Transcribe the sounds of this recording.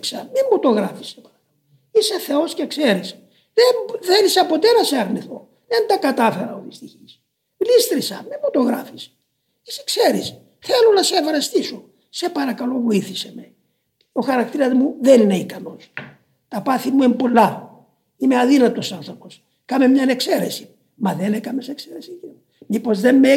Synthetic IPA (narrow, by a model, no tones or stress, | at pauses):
ksɐmiɱmot̪oɣɾɐfi̥sepɐɾɐkɐlo | iseθe̞o̞scekseɾis | ðemðenisɐpo̞t̪enɐseɐɾniθo̞ | ðent̪ɐkɐt̪ɐfe̞ɾɐovist̪içis | vlist̪ɾisɐmiot̪o̞ɣɾɐfi̥s | ise̥kse̞ɾis | θelonɐseevɾɐst̪iso̞ | sepɐɾɐkɐlo̞vo̞iθiseme | o̞xɐɾɐkt̪iɾɐzmuðenineikɐno̞s | t̪ɐpɐθimuempo̞lːɐ | imeɐðinɐt̪o̞sɐnθɾo̞po̞s | kɐmemɲɐnekse̞ɾe̞si̥ | mɐðenekɐmesekseɾesicin | mipo̞zðemme